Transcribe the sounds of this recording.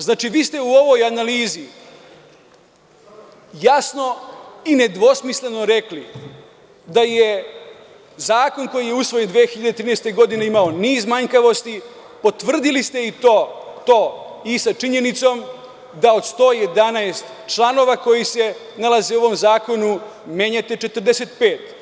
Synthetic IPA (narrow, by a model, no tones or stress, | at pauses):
znaːt͡ʃiʋiːst̪e̞uo̞ʋo̞janaliːzi | jasno̞ine̞d̪ʋo̞smisle̞no̞ɾe̞kli | d̪aje | zaːko̞nko̞jije̞usʋo̞jend̪ʋeːxiʎad̪et̪ɾiːneːst̪eɡo̞d̪ine̞imao̞niːzmaɲkaʋo̞st̪i | po̞t̪ʋr̩d̪ilist̪e̞it̪oːt̪o̞ːisat͡ʂiɲe̞nit̪so̞m | d̪ao̞d̪st̪o̞ːje̞d̪anaest̪ | t͡ʃlˠano̞ʋako̞jise̞ | nalˠazeo̞ʋo̞mzaːko̞nume̞ɲat̪et͡ʃe̞t̪r̩d̪eset̪peːt̪